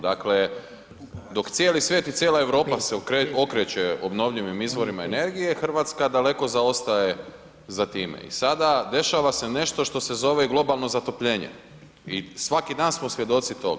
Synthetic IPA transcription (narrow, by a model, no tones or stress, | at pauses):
d̪akle | d̪o̞kt̪sjeːlisʋjet̪it̪sjeːlˠae̞ʋɾo̞ːpasekɾeokɾet͡ɕeobno̞ʋʎiʋimizʋo̞ɾimaene̞ɾɡije̞xr̩ʋat̪skad̪ale̞ko̞zao̞st̪aje | zat̪iːmḛḭsad̪ad̪e̞ʃaʋasene̞ʃt̪o̞ʃt̪o̞se̞zo̞ʋeɡlˠo̞balˠno̞zat̪o̞pʎe̞ːɲḛ | isʋakid̪aːnsmosʋje̞d̪o̞t̪sit̪o̞̰ɡ